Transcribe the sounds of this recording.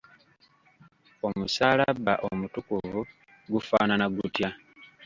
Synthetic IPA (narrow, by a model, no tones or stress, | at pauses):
o̞musaːlaβaʔo̰mutukuvu | ɡufaːnanaɡutja